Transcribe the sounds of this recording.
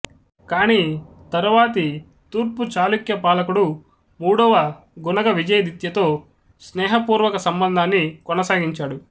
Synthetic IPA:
kaːniː | t̪ɐɾuʋaːt̪i | t̪uːɾput͡ʃaːlukjɐpaːlɐkuɽu | muːɽɐʋɐ | ɡunɐɡɐʋid͡ʒɐjɐd̪it̪jɐt̪o̞ː | snɛːɦɐpuːɾʋɐkɐsɐmbɐnd̪ʱaːnːikɔnɐsaːɡiɲt͡ʃaːɽu

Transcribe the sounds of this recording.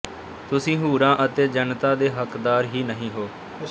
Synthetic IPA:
t̪ʊsĩːɦuːɾãːʔət̪eːd͡ʒənt̪aːd̪eːɦəkd̪aːɾɦiːnəɦĩːɦoː

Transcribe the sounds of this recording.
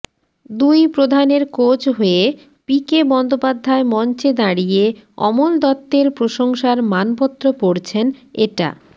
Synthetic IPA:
d̪ujpɾod̪ʱaneɾkot͡ɕɦoe | pikebɔnd̪opad̪ʱːaemɔnt͡ɕed̪aɽijeɔ̰mold̪ɔt̪ːeɾpɾoʃoŋʃaɾmanpɔt̪ːɾopoɽt͡ɕʰenḛʈa̰

